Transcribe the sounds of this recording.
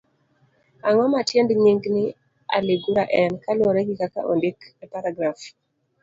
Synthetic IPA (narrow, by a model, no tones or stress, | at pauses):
aŋɔmatjendɲiŋɡnɪ | a̰leɡuɾaʔɛnkalwoɾɛɡɪkaka̰ʔo̰ndikɛpaɾaɡɾaf